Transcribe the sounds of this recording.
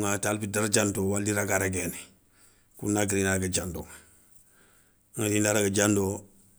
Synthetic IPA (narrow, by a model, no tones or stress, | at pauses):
ŋatalpidaɾd͡ʒantowalːiɾaɡaɾaɡɛːni | kunːaɡiɾinaɾaɡad͡ʒando | ŋatindaɾaɡad͡ʒando